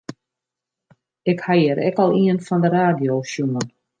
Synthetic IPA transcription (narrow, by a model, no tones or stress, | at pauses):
ɪkhajəɾʔɛ̰kɔlˠiənfɔndəɾaːdjoːʃjumən